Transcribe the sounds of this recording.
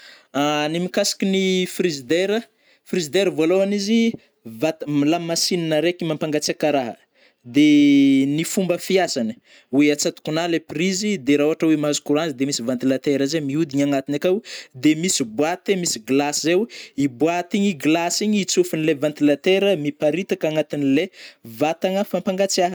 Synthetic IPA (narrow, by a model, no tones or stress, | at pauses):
animikasi̥kʲinifrizid̪eɾə | frizid̪eɾəvaloɦanizi | vat̪lamasininəɾekimampaŋɡat͡sakaɾaɦə | d̪enifumbəfiasanə̥ | weat͡sat̪u̥kunaleprizid̪eɾauɦaʈ͡ʂawemazu̥kuɾuanzid̪emisivant̪ilat̪eɾəzemiud̪iɲaŋat̪inakawd̪emisibwat̪emisiɡlasizewibwat̪iɲiɡlasiɲit͡sufinilevant̪ilat̪eɾəmipaɾit̪akaŋat̪inilevat̪aŋəfampaŋɡat͡siaɦ